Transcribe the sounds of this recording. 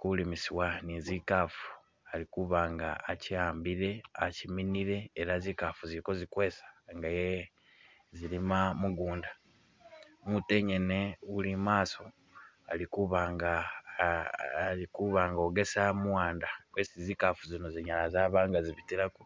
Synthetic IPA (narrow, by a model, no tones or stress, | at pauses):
kulimisiwanizikaːfu̥ | alikuβaːŋɡaːciaːmbiɾe̞aciminiɾe̞ːɾazikafuziɾiko̞zikweːsḁŋɡaje | zilimamuɡuːnda | mute̞ɲene̞ulimaːso̞ | a̰likuβaːŋɡa | likuβaŋɡo̞ɡe̞samuwaːndakwesizikafuzinoziɲalazaːβaːŋɡaziβitiɾaku